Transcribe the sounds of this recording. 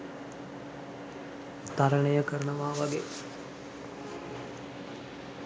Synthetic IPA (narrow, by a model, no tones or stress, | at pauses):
t̪aɾəɳəjəkəɾənəʋaːʋaɡe